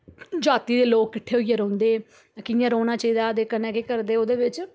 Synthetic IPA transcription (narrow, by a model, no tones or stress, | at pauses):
d͡ʒaːt̪iːd̪eːloːkːɪʈʰːeːoiːeːɾõːnd̪eː | kɪjãːɾoːnaːt͡ʃaiːd̪aːd̪eːkənɛ̃ːkeːkəɾd̪eːoːd̪eːʋɪt͡ʃ